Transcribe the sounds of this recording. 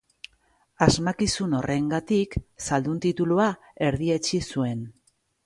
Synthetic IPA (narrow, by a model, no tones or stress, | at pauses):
azmakisuno̞rʔe̞ŋɡat̪iksald̪unt̪it̪ulua | e̞ɾðie̞t͡ʃisue̞n